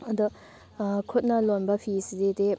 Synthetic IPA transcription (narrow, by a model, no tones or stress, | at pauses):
ɐd̪u | kʰot̪̚nɐlonbɐpʰisid̪ed̪e